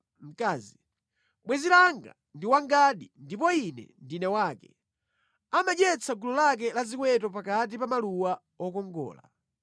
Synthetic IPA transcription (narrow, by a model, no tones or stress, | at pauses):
m̩kaːzi | ɓwɛzilaŋɡa̰ | ndiwaŋɡaɗindip̬ɔinɛ̰ndinɛwaːkɛ̰ | amaɗɛt͡saɡulɔlak̬ɛlazikwɛtɔp̬akat̬ipamaluwa | ɔkɔŋɡɔ̰ːla̰